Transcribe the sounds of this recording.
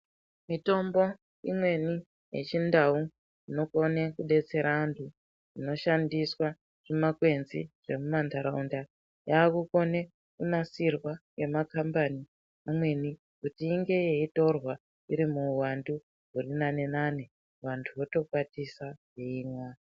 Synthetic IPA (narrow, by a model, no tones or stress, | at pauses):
mito̞mbo̞ | imwe̞ni | je̞̰t͡ʃindau | ino̞ko̞nekuɗe̞t͡se̞ɾaːntʰu | ino̞ʃandiswa | ʐ̥imakwe̞nziʐ̥e̞mumantaɾaunda | jaːkuko̞ne | kunasirwawe̞makambani | amwe̞ni | kutiːŋɡe̞jeito̞rwa | iɾimuːwandu | ɦurinanenane | ʋantʰuʋo̞to̞kwatisajeiːmwa